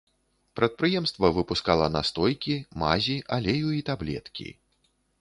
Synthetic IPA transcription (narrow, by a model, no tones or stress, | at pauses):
pɾɐt̪̚pɾɨjɛmst̪vɐvɨpuskalˠɐna̰st̪ɔjkʲima̰zʲiʔalʲejuit̪ablʲɛ̰t̪kʲḭ